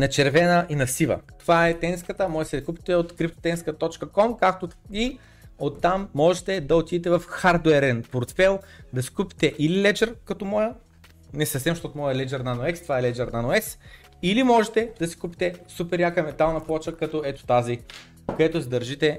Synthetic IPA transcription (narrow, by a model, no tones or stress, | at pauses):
nɐt͡ʃɛɾvɛnəʔinɐsivə̰t̪ovaɛt̪ɛnskət̪əmɔjsɛd̪ɐkupi̥t̪ɛot̪kɾip̚t̪o̥t̪ɛnskət̪ɔt͡ʃkəkɔmkak̚t̪oi | ot̪ːamːɔʒɛt̪ɛd̪ɐot̪id̪ɛt̪̬ɛvɐfxaɾd̪ʊɛɾɛnpoɾt̪fɛlˠ | d̪ɐsi̥kupi̥t̪ɛʔililɛd͡ʒɛɾkɐt̪omɔjə | nɛsɐfsɛmʃt̪ɔt̪omɔjəlɛd͡ʒɛɾnanoɛst̪ovaɛlɛd͡ʒɛɾnanoɛs | ilimɔʒɛt̪ɛd̪̥ɐsi̥kupi̥t̪ɛsupɛɾjakəmɛt̪alˠnɐplˠɔt͡ʃəkɐt̪ɔɛt̪o̥t̪azi | kod̪ɛt̪ʊsid̪ɐɾʒit̪ɛ